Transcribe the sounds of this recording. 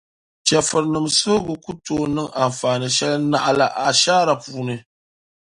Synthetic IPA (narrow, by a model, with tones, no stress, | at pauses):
t͡ʃɛ˨fɨ˨ɾnɨ˨mso˦ɡɨ˨ku˦toː˦nɨ˦ŋa˨m˨faː˨nɨ˨ʃɛ˦lna˦ʔla˨ʔa˨ʃaː˦ɾa˨puː˦nɨ˨